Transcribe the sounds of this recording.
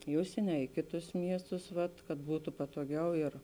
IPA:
ɪ ˈʊʃʲsʲiɛnʲɪ ɐ ɪ ˈkʲeːˌtʊs ˈmʲiɛstʊs ˈʋɐt kɐt ˈbuːtʊ pɐtoːˈɡʲɛʊ ɪr

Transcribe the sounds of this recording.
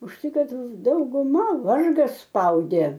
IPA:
ʊʃ ˈtɐɪ ˈkɐt dɐʊɡʊˈmɐ ˈʋɐrɡɐs ˈspɐʊdʲeː

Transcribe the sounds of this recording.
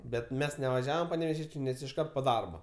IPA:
bʲɛt ˈmʲɛs nʲɛʋɐˈʒʲæːʋoːm pɐnʲɛʋʲɛˈʒʲiɛt͡ʃʲeː nʲɛs ɪʃˈkɐrt poː ˈdɐrboː

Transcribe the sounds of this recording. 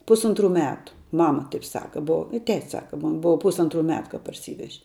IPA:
ˈpʊsʊntˌrʊ ˈmʲæːtʊ ˈmɑːmɐ ˈtɐɪp ˈsɑːkɐ ˈboːʋɐ ɪ ˈtʲæːtʲɪs ˈsɑːkɐ mɐn ˈboːʋɐ ˈpʊsɐntˌrʊ ˈmʲæːtʊ kɐp pɐrʲˈsʲiːʋʲɛʒʲɛ

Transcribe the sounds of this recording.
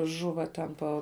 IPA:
ˈʒʊʋɐ tʲɛn ˈpoː

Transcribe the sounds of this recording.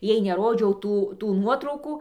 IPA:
ˈjɛɪ nʲɛˈroːd͡ʒʲɛʊ ˈtuː tuː ˈnuɔtrɐʊkuː

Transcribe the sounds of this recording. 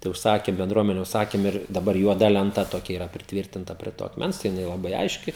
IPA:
tɐɪ ʊʃˈsɑːkʲeː bʲɛnˈdruɔmʲɛnʲɛ ʊʃˈsɑːkʲeːm ɪr dɐˈbɐr juɔˈdɐ lʲɛnˈtɐ toːˈkʲɛ iːˈrɐ pʲrʲɪtʲˈʋʲiːrʲtʲɪntɐ pʲrʲiɛ ˈtoː ɐkˈmʲɛns tɐɪ jɪˈnɐɪ lˠɐˈbɐɪ ˈɐɪʃʲkʲɪ

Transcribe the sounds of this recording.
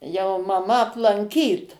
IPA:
jɛʊ mɐˈmɐ ɐplˠɐŋʲˈkʲiːt

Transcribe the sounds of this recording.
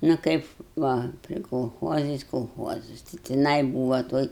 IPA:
nʊ ˈkɐɪp ˈʋɐ pʲrʲɪ koːlˠˈxuɔzɐɪs koːlˠˈxuɔzɐs tɐɪ tʲɪˈnɐɪ ˈbuːʋɐ ˈtoːj

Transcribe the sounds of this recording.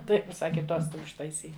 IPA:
tɐɪ ˈjɪn ˈsɑːkʲɪ ˈtoːs tɐɪ ʊʃtɐɪˈsʲiːk

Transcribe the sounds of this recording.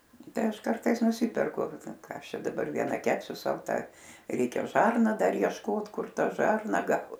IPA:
ˈtɐɪ ɐʃ ˈkɐrtɐɪs nʊˈsʲiːpʲɛrkʊ ˈkɑː ˈɐʃ ˈt͡ʃʲɛ dɐˈbɐr ʋʲiɛˈnɐ ˈkʲæːpʲsʲʊ ˈsɐʊ ˈtɐ ˈrʲɛɪkʲɛ ˈʒɐrnɐ ˈdɐr ˈjiɛʃkoːt ˈkʊr ˈtɐ ˈʒɐrnɐ ˈɡɐʊt

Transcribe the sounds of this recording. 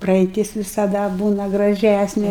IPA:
prɐɛɪˈtʲɪs ʋʲɪsɐˈdɐ ˈbuːnɐ ɡrɐˈʒʲæsʲnʲeː

